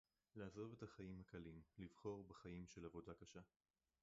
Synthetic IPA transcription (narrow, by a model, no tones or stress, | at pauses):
leːzo̞vetaχajimhakalimlivχo̞ʁbeχajimʃelavo̞dakaʃa